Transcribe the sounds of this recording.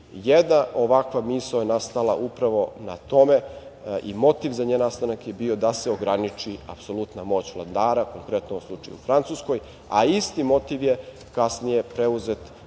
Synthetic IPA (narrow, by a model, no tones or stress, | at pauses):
jed̪naʔoʋakʋamisajenast̪alˠaʔupɾaʋo̞na̰t̪o̞meḭmo̞t̪iʋzaɲenast̪anakjebio̞d̪aseoɡɾanit͡ʃia̰pso̞lˠut̪namo̞ːt͡ɕʋlˠad̪aːɾakoŋkɾet̪noslˠut͡ʂa̰jṵufɾant̪susko̞j | a̰ist̪imo̞t̪iʋje | kasnijepɾeuzet̪